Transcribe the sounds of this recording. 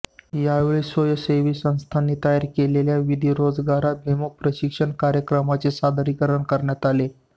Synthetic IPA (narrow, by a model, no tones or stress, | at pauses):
jaʋeɭisojəseʋiːsə̃w̃st̪ʰanːiːt̪ajaɾkeleljaʋid̪ʱiːɾod͡zɡaɾat̪̚ʋʱimuk̚pɾəɕikʂəɳkaɾjəkɾəmat͡sesad̪ʱəɾikəɾəɳkəɾɳjat̪ale